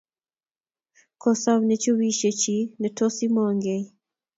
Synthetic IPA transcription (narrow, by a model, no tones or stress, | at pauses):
kɔsaβnet͡ʃowiʃet͡ʃinɛtɔsimɔŋɡe